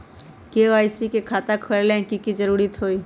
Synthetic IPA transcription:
keaːɪsikekʰaːt̪akʰəɭlẽkikid͡ʒəɾuːɾit̪ɦoːiː

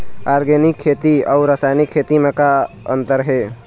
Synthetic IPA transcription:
aːɾɡenɪkʰːeːt̪iɔʊɾəsaːjnikʰːeːt̪imẽka | ə̰̃nt̪əɾɦeː

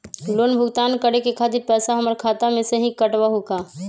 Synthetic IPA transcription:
loːnbʱʊɡt̪aːnkəɾekekʰaːd̪ipɛːsaɦɐməɾkʰaːt̪amẽseɦĩkəʈʋaɦokaː

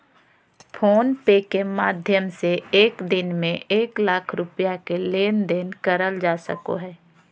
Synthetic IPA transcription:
pʰoːnpeːkemaːd̪ʱjəmseeːkd̪ɪnmẽʔeːklaːkʰɾʊpjakeleːnd̪enkəɾəld͡ʒaːsə̰ko̰ɦɛː

